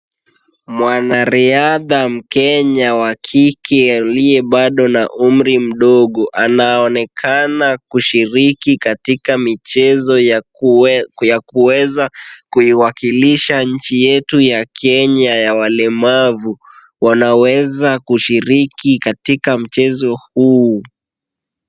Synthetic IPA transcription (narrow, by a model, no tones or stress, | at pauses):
mwanaɾiaðam̩kɛɲawakʰikʰɛaliɛɓaɗɔnaʔum̩ɾim̩ɗɔɠɔʔanaɔnɛkʰanakuʃiɾikikatikamit͡ʃɛzɔ | jakuwɛzakuiwakiliʃaɲ̩t͡ʃijɛtujakʰɛɲajawalɛmavu | wanawɛzakuʃiɾikikatikam̩t͡ʃɛzɔhuː